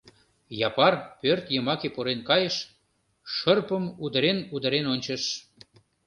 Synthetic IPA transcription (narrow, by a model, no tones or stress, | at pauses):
jɑpɑrpørt̪jəmɑkepoɾenkɑjəʃ | ʃərpəmud̪əɾenud̪əɾenonʲt͡ɕəʃ